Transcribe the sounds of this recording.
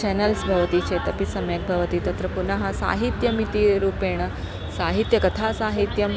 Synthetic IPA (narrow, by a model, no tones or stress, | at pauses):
t͡ʃɛnɐlsbʱɐʋɐt̪iːt͡ʃʰeːt̪ɐpisɐmjɐk̚bʱɐʋɐt̪iːt̪ɐt̪ɾɐpunɐɦɐsa̰ːɦit̪jɐmit̪iɾuːpeːɳ̃ɐ | saːɦit̪jɐkɐt̪ʰaːsaːɦit̪jɐm